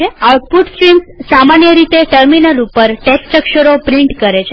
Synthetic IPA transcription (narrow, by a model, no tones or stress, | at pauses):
eauʈ̚puʈsʈɾimssamanjəɾit̪eʈəɾminəlupəɾʈesʈɾəkʃəɾopɾiɳʈkəɾet͡ʃʰe